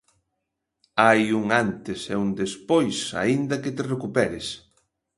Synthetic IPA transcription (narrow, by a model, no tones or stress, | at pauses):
ajuŋant̪ɪsɛund̪espojsa̰ind̪ɐket̪erekupɛɾes